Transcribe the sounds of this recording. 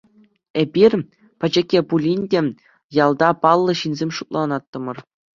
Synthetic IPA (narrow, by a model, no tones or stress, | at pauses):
ebʲirʲ | pʲɘ̆d͡ʑɘ̆kʲːepulʲinʲdʲe | jɑlˠd̪ɑpɑlˠːɤ̆ɕinʲzʲemʲʂut̪̚lˠɑnɑt̪ːɤ̆mɤ̆r